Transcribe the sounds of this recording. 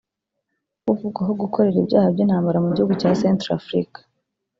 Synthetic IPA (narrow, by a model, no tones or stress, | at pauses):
uvuɡwaɦo̞ɡukʰo̞ɾe̞ɾibjaːhabɟiːnhaːmbaɾamuɟihuɡucasentɾa̰fɾḭkḁ